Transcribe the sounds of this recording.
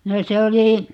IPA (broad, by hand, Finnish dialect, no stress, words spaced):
no se oli